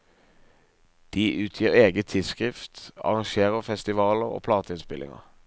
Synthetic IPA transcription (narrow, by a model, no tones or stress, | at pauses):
d̪̥iːʔʉːt̪ʰjiːʁeːɡət̪ʰɪlskʁɪft̪ɑ̰ʁɑŋʃeːʁəʁfɛst̪ɪʋɑːləʁo̰ːpʰlɑːt̪əɪnspɪlɪ̰ŋə̰ʁ